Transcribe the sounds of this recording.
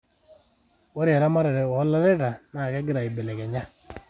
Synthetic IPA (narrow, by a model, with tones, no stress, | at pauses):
wo˦ɾja˨ɾa˦ma˦ɾe˨ɾɛ˨ɔ˨˦la˦ɾɛ˦ɾa˨na˨kɛ˦ɡɪ˦ɾa˨i˨bɛ˨lɛ˨kɛ˨ɲa˦